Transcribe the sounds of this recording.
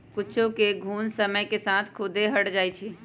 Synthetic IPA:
kʊt͡ʃʰõkeɡʱuːnsəməjkesat̪ʰkʰʊd̪eɦəʈd͡ʒaːit͡ʃʰi

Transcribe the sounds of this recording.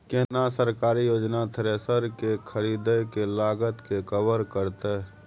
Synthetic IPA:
keɦnasəɾkaːɾijoːd͡ʒnat̪ʰəɾesəɾkekʰəɾiːd̪əkelaːɡət̪kekəʋəɾkəɾt̪ɛ

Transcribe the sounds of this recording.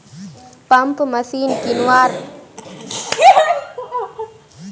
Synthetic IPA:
pɐmpmɐsiːnkinwaːɾ

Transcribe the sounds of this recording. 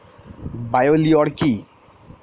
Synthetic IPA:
bajoliɔɽki

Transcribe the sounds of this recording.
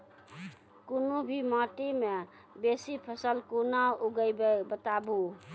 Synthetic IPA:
kunobʱimaʈime | besipʰəsəlkunauɡəjbebət̪abu

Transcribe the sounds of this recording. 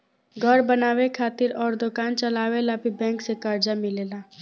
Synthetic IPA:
ɡʱəɾbənaːʋekʰaːt̪ɪɾɔːɾd̪ʊkaːnt͡ʃəlaːʋelabʱibɛ̃ːŋksekəɾd͡ʒamɪleːlaː

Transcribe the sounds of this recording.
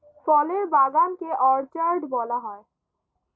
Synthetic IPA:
fɔleɾbaɡankeʔɔɾt͡ɕaɾɖbɔlaɦɔe

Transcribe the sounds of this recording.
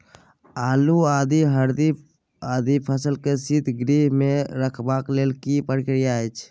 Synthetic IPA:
aːluaːd̪iɦəɾd̪i | aːd̪ipʰəsəlkesit̪ɡɾiːɦmẽɾəkʰbaːkleːlkipəɽkɾijaet͡ʃʰ

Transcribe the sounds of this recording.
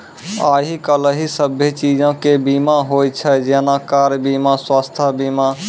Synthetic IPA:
aːɦikələɦisəbʱet͡ʃiːd͡ʒãkebimaɦojt͡ʃʰəd͡ʒeːnakaːɾbimaswaːst̪ʰəbima

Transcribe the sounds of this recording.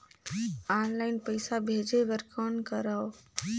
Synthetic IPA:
anlaɪnpəjsabʱed͡ʒebəɾkənkəɾəw

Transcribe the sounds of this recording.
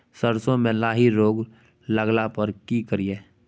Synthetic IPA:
səɾsõmẽlaːɦiɾoːɡ | ləɡlapəɾkikəɾijeː

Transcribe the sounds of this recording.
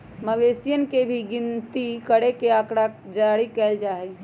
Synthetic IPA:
məʋesijənkebʱiɡɪnt̪ikəɽekeakɽad͡ʒaɽikɛld͡ʒaːɦɛ

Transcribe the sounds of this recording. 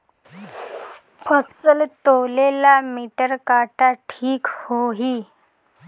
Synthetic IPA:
pʰəsəlt̪owlelamiʈəɾkaʈaʈʰiːkhoɦi

